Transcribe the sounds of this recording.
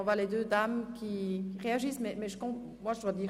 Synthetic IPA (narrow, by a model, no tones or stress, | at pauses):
ɔ̃vwaled̪ød̪amkʲʰiʁeaʒismɛmɛʒəkɔ̃ | mwaʒəd̪wad̪iʁ